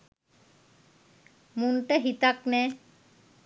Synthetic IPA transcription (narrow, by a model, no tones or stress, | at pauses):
munʈaɦit̪aknɛ